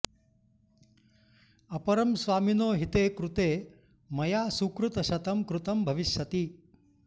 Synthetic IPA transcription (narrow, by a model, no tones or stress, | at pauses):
ɐpɐɾɐmsʋaːminoːɦit̪eːkɾut̪eː | mɐjaːsukɾut̪ɐʃɐt̪ɐmkɾut̪ɐmbʱɐʋiʃjɐt̪i